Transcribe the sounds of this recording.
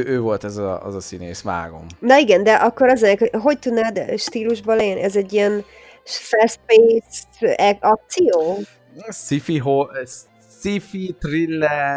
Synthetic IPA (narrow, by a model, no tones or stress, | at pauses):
ʔøːvo̞lt̪ɛzɛ̰zɒsineːsma̰ːɡo̞̰mnɒiɡɛnd̪ɛʔɒkːoɾɒzenɛkoɦo̞ct̪ud̪naːd̪ʃt̪iːluʒbolɛɟɛnḭʔɛzɛɟːijɛn | ʃfɛspeːsɛɒk̚t̪sijoː | sifiɦo | sifit̪rilːɛ